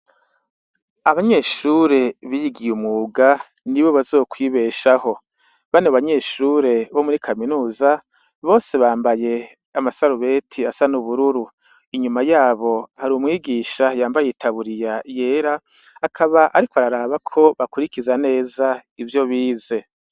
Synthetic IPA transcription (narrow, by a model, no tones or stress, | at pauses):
aβaɲe̞ʃuɾe̞βijiɡijumŋuːɡa | niβo̞βazo̞ːkʰwiːβe̞ːʃaho̞ | βaneβaɲe̞ːʃuːɾe̞βo̞muɾikʰaminuːza | βo̞ːse̞βaːmbaje̞ | amasaɾuβe̞tʰiasanuβuɾuɾu | iɲumajaːβo̞haɾumŋiːɡiːʃajaːmbajeitʰaβuɾijaje̞ːɾaː | kʰaβaʔaɾikoaɾaɾaːβakʰo̞βakuɾikizane̞ːzaivjo̞βiːze̞